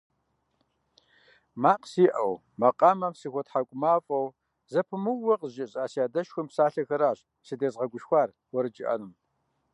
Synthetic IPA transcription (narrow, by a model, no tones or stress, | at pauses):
maːqsiːʔɐw | mɐqʼaːmɐmsixʷɔtħakʷʼʊmaːfʼɐw | zɐpʰɨmɨwːɐqəʒɪɕʼaːsjaːdɐʃxʷʊmpsaːɬɐxɐɾaːɕ | sɨdeːzʁɐɡʷʊʃxʷaːr | wɔɾɨd͡ʒɪʔɐ̰nɨm